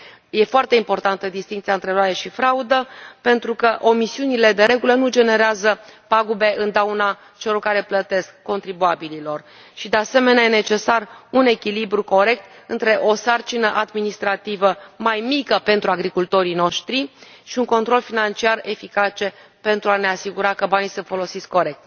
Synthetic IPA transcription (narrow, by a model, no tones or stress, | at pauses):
je̞foart̪e̞impo̞rt̪ant̪əd̪ist̪iŋkt̪sijaɨnt̪ɾeɾowajeʃifɾaud̪əpe̞nt̪ɾukəʔo̞misiunile̞d̪e̞ɾe̞ɡulənud͡ʒe̞ne̞ɾeazəpaɡube̞ʔɨnd̪awna | t͡ʃe̞lo̞rkaɾe̞plət̪e̞skːo̞nt̪ɾibuabililo̞r | ʃid̪e̞ase̞me̞neajene̞t͡ʃe̞sarune̞kʲilibɾuko̞ɾe̞k̚t̪ɨnt̪ɾe̞ʔo̞sart͡ʃinəʔad̪minist̪ɾat̪ivəmajmikəpe̞nt̪ɾuaɡɾikult̪o̞ɾino̞ʃt̪ɾiʃiuŋko̞nt̪ɾo̞lfinant͡ʃiare̞fikat͡ʃe̞ | pe̞nt̪ɾuane̞asiɡuɾakəbanisɨnt̪fo̞lo̞sit̪skkːo̞ɾe̞k̚t̪